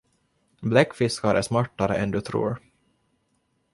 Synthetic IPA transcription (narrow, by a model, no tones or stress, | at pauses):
blɛkːfɪskaɾəʂmaʈːaɾə̰ʔɛnd̪ɵt̪ʰɾṵːɾ